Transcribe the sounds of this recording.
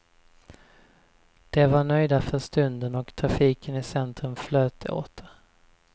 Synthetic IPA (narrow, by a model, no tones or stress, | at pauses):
d̪̥ɛvaɳœjd̪afœɾʂt̪ɵnd̪ənɔkt̪ʰɾafiːkənɪsɛnt̪ɾəmfløːt̪ʰəo̰ːt̪ʰə̥